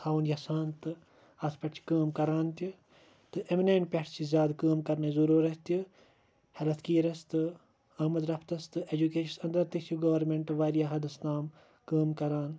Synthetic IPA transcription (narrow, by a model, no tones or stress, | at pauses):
haːwunjɐsaːnt̪ɨ | ɐspɐʈt͡ʃʰi̥kɐːmkɐɾaːnt̪i | t̪ɨʔemineːɳʈ̚pʲɐʈʰt͡ʃʰizjaːd̪kɐːmkɐɾnezuɾuːɾɐst̪i | hɐlɐt̪ʰkiːɾɐst̪ɨ | aːmɐd̪ɾɐpʰt̪ɐst̪ɨed͡ʒukeːʃɐsɐnd̪ɐɾt̪isʰuɡɐːʋɐɾmeɳʈʋaːɾijaɦɐd̪ɐsnaːm | kɐːmkɐɾaːn